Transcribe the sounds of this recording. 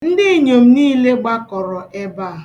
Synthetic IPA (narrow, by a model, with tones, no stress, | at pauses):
n̩˦dɪ˦˨ɲo˨m̩˦niː˦le˦ɡ͡ba˦kɔ˨ɾɔ˨ʔɛ˦ba˦˨